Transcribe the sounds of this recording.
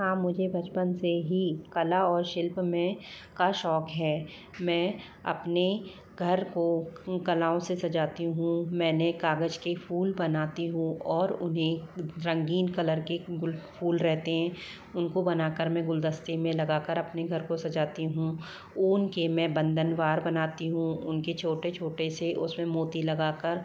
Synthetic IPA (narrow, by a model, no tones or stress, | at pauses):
ɦãːmʊd͡ʒʱebʱɐt͡ʃpənseɦikɐlaɔːɾʃɪlpmẽ | kaʃɔːkɦɛː | mɛ̃ː | ɐ̰pne | ɡʱɐɾkokɐlaːõsesɐd͡ʒaːt̪iɦũmɛ̃ːnekaːɡəd͡ʒkepʰuːlbɐnaːt̪iɦũɔːɾʊnɦẽɾɐ̃ŋɡiːnkɐləɾkeɡʊlpʰuːlɾɛɦt̪eɦɛ̃ː | ʊnkobɐnaːkəɾmɛ̃ɡʊld̪əst̪imẽlɐɡaːkəɾɐpneɡʱɐɾkosɐd͡ʒaːt̪iɦũ | uːnkemɛ̃bɐ̃nd̪ənʋaːɾbɐnaːt̪iɦũʊnket͡ʃʰoːʈet͡ʃʰoːʈeseʔʊsmẽmoːt̪ilɐɡaːkəɾ